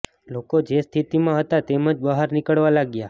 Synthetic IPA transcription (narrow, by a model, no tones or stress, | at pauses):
lokod͡ʒest̪ʰit̪imãɦət̪at̪emə̃d͡ʒbəɦaɾnɪkəɭʋalaɡja